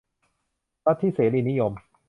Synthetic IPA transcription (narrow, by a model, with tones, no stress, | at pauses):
ɾa˦˥t̪ʰːiː˥˩seː˩˦liː˧ni˦˥jo˧m